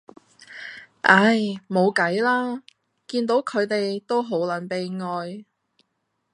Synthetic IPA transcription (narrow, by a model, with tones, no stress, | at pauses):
ʔɐ˥jmo˨˧wkɐ˨˥jlaː˥ | kiː˧nt̪o˨˥wkʰɵ˨˧t̪e˨jt̪o˥wɦo˨˥wlɐ˨˥npe˨˧jŋɔː˧j